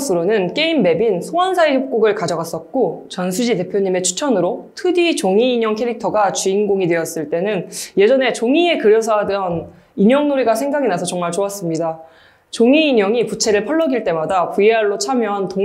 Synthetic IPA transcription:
sʰɯɾonɯnk͈e̞imːe̞binsʰoansʰaiçjʌp̚k͈oɡɯɭkad͡ʑʌɡas͈ʌt̚k͈ot͡ɕʌnsʰud͡ʑite̞pʰjoɲime̞t͡ɕʰu̥t͡ɕʰʌnɯɾotʰɯdit͡ɕoŋiːɲʌŋkʰe̞ɾik̚tʰʌɡat͡ɕuinɡoŋidwe̞jʌs͈ɯɭt͈e̞nɯnje̞d͡ʑʌne̞t͡ɕoŋie̞kɯɾjʌs̬ʰadʌn | iɲʌŋnoɾiɡasʰe̞ŋɡaɡinasʰʌt͡ɕʌŋmaɭt͡ɕoas͈ɯmɲida | t͡ɕoŋiːɲʌŋiput͡ɕʰe̞ɾɯɭpʰʌɭːʌɡiɭt͈e̞madapujeɦaɭːot͡ɕʰamjʌɦanto

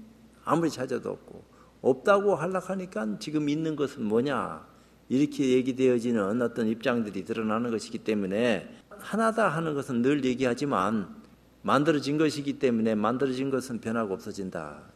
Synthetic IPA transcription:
a̰muɾit͡ɕʰad͡ʑʌdoʌ̰p̚k͈o̰ | ʌp̚t͈aɡoɦaɭːakʰaɲik͈ant͡ɕiɡɯminːɯnɡʌsʰɯnmwʌɲa̰ | iɾʌkʰejeɡidwe̞jʌd͡ʑinɯnʌt͈ʌnip̚t͡ɕ͈aŋdɯɾitɯɾʌnanɯnɡʌɕʰiɡit͈e̞mune̞hanadaɦanɯnɡʌsʰɯnːɯɭje̞ɡiɦad͡ʑima̰n | mandɯɾʌd͡ʑinɡʌɕʰiɡit͈e̞mune̞mandɯɾʌd͡ʑinɡʌsʰɯnpjʌnɦaɡoʌp̚s͈ʌd͡ʑinda̰

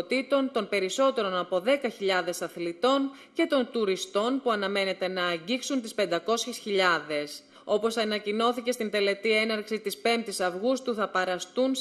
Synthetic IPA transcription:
t̪it̪o̞nt̪o̞npe̞ɾiso̞t̪e̞ɾo̞nɐpo̞ðe̞kɐçiʎɐðe̞sɐθlit̪o̞n | ce̞t̪o̞nt̪uɾist̪o̞npuɐnɐme̞ne̞t̪e̞nɐːɲɟiksunt̪ispe̞nd̪ɐko̞sçesçiʎɐðe̞s | o̞po̞sɐnɐcino̞θice̞st̪ind̪e̞le̞t̪ie̞nɐɾksit̪ispe̞mt̪isɐvɣust̪uθɐpɐɾɐst̪un

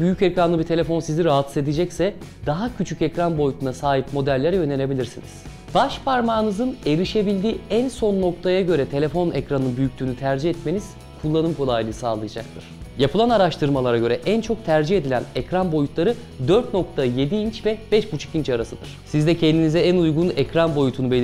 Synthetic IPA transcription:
byjycɛcɾanlˠɯbit̪ʰe̞lʲe̞fo̞nsiziɾaɦat̪sɯzed̪id͡ʒɛcsɛd̪aɦacʰyt͡ʃʰycɛcɾanbo̞jut̪ʰunasaːɦipmo̞d̪ælʲːeɾɛjø̞nene̞bilʲiɾsinḭz̥ | b̥aʃpaɾmaːnɯzɯne̞ɾiʃe̞bilʲd̪iːænso̞nːo̞k̚t̪ʰajaɟø̞ɾɛt̪ʰe̞lʲe̞fo̞nɛcɾanɯnbyjyc̚ʲlʲyːnyt̪ʰæɾd͡ʒihɛt̪me̞niz̥ | kʰulˠːanɯmkʰo̞lˠajlˠɯsaːlˠɯjad͡ʒak̚t̪ʰɯɾ̥japʰɯlˠanaɾaʃt̪ʰɯɾmalˠaɾaɟø̞ɾɛʔænt͡ʃʰo̞k̚t̪ʰæɾd͡ʒihe̞d̪ilʲænɛcɾanbo̞jut̪lˠaɾɯ | d̪ø̞ɾt̪no̞k̚t̪ʰaje̞d̪iint͡ʃvɛbɛʃbut͡ʃʰɯ̥kint͡ʃaɾasɯd̪ɯɾ̥sizd̪ɛcʰɛnd̪inizɛænujɡunɛcɾanbo̞jut̪ʰunube̞lʲ

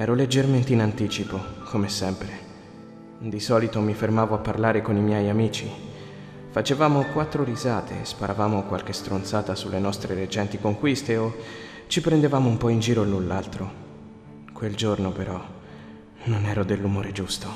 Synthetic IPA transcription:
ɛːɾoled͡ʒːerment̪einant̪iːt͡ʃipokʰomesɛmpɾe | d̪isɔːlit̪omifermaːvoapːarlaːɾekonimjɛjamiːt͡ʃi | fat͡ʃevaːmokwat̪ːɾoɾizaːt̪ʰḛspaɾʔavaːmokwa̰lk̟est̪ɾont̪saːt̪asulːenɔst̪ɾeɾet͡ʃɛnt̪ikoŋkwist̪eo | t͡ʃipɾend̪evaːmoumpɔind͡ʒiːɾonulːalt̪ɾo | kweld͡ʒornopeɾɔ | nonɛːɾod̪elːumoːɾed͡ʒust̪o

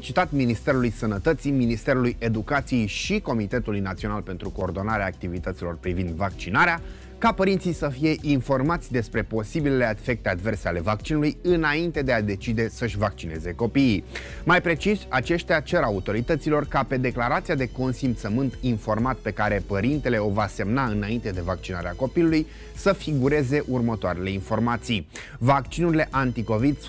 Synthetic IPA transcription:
t͡ʃit̪at̪minist̪e̞ɾulujsənət̪ət̪siminist̪e̞ɾuluje̞d̪ukat̪sije̞jʃiko̞mit̪e̞t̪ulujnat̪sio̞nalpe̞nt̪ɾuko̞ːrd̪o̞naɾeaːk̚t̪ivit̪ət̪silo̞rpɾivind̪vak̚t͡ʃinaɾea | kapəɾint̪sijsəfije̞ʔinfo̞rmat̪sʲd̪e̞spɾe̞po̞sibilele̞afe̞k̚t̪e̞ad̪ve̞rse̞ale̞vakt͡ʃinulujɨnaint̪e̞d̪e̞ad̪e̞t͡ʃid̪e̞səʃʲvakt͡ʃine̞ze̞ko̞piː | majpɾe̞t͡ʃisʲat͡ʃe̞ʃt̪ejat͡ʃe̞ɾaut̪o̞ɾit̪ət̪silo̞rkape̞d̪e̞klaɾat̪siad̪e̞ko̞nsimpt̪səmɨnt̪info̞rmat̪pe̞kaɾe̞pəɾint̪e̞le̞o̞vase̞mnaɨnaint̪e̞d̪e̞vak̚t͡ʃina̰ɾeako̞piluluj | səfiɡuɾe̞ze̞ʔurmət̪oaɾe̞le̞info̞rmat̪sij | vakt͡ʃinuɾile̞ʔant̪iko̞vid̪

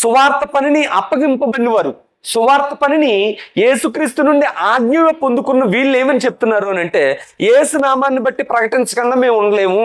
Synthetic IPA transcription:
suʋaːɾt̪ɐpɐniniʔɐpːɐɡimpɐbɐnːiʋaːɾu | suʋaːɾt̪ɐpɐninije̞ːsukɾiːst̪unuɳɖiʔaːɡɲuːɡɐpond̪ukunːɐʋiːɭːeːmɐnit͡ʃe̞p̚t̪unːaːɾuɐnɐɳʈe̞ːjeːsunaːmaːnːibɐʈːipɾɐkɐʈiɲt͡ʃɐkɐŋɡaːme̞ːmuɳɖɐle̞ːmu

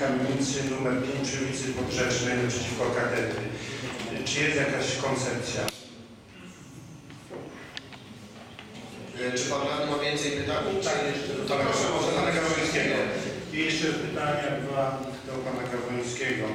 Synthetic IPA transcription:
amʲit̪sɘnumɛɾpʲeɲpʂɛmʲit̪sɨpɔbʐɛʂnɛjnapʂɛt͡ɕifkɔkat̪ɛt̪ɾɘ | t͡ʂɨjɛst̪jakaɕkɔnt̪sɛp̚t̪sʲja | t͡ʂɨpanɾaiɔvʲjɛnt̪sɛjpɨt̪aɲit̪ajjɛʂt͡ʂɛd̪ɔt̪ɔɔɔɔt̪anakavɔɔ̃skʲɛɡɔijɛʂt͡ʂɛpɨt̪aɲabɘwa | t̪t̪ɛwpanakavɔj̃skʲɛɡɔ

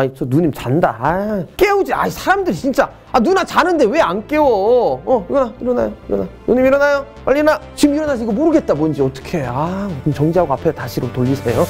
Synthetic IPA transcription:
ait͡ɕʰʌnuɲimt͡ɕandaak͈e̞ud͡ʑia̰isʰaɾamdɯɾit͡ɕint͡ɕ͈a | anunat͡ɕanɯnde̞we̞ank͈e̞oʌunaiɾʌna̰joiɾʌnaonuɲimiɾʌnajo | maʎːinat͡ɕimiɾʌnaɕ̬ʰiɡomoɾɯɡe̞t̚t͈abond͡ʑiʌt͈ʌ̥kʰeakɯmt͡ɕʌŋd͡ʑiɦaɡoapʰesʰotaɕʰiɾotoʎːisʰe̞jo

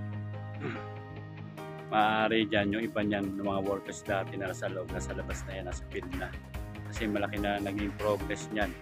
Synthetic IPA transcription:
maːʔaːɾɪd͡ʒanjʊŋʔɪbaɲanːɐmɐŋawoɾkɛsd̪aːt̪ɛnɐsɐloʔob̚nɐsɐlɐbasnɐjanɐsɐ̥pilna | kɐsɛmɐlɐkɪnɐnɐɡɪŋpɾoɡɾɛsɲan

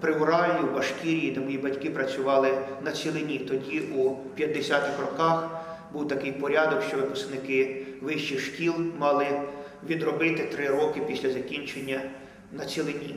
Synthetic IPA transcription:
pɾɪʊɾɑlʲiwbɐʃkʲiɾʲijinɐmɔjibɐtʲkɪpɾɐt͡sʲʊʋɑlˠɪnɐt͡sʲilˠɪnʲit̪ɔdʲiʔupʲjɐd̪ːesʲat̪ɪxrɔkɑx | buwt̪ɐkɪjpɔɾʲɑd̪ɔkʃt͡ʃɔʋɪpʊsknɪkɪʋɪʃt͡ʃixʃkʲilˠmɑlˠɪ | ʋʲid̪rɔbɪt̪ɪt̪ɾɪɾɔkɪpʲisʲlʲɐzɐkʲinʲt͡ʃenʲːɐ | nɐt͡sʲilˠɪnʲi

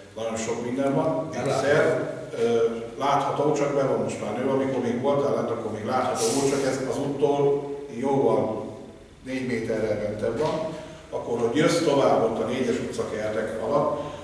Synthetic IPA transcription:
nɒɟo̞nʃo̞kmind̪ɛɱvɒnɛsɛr | ø | laːt̪hɒt̪oːt͡ʃɒkbɛvɒnːo̞ʃt̪maːrnøːɒmiko̞rmeːɡʋolt̪alɛnt̪ɒkːo̞rmeːɡlaːt̪hɒt̪oːot͡ʃɒkɛzɒzuːt̪ːoːljoːvɒn | neːɟmeːt̪ɛrːɛmɛnt̪ɛbːɒn | ɒkːorho̞ɟjøst̪o̞vaːbːo̞t̪ːɒneːɟɛʃut̪sɒkɛrt̪ɛkɒ̰lɒt̪

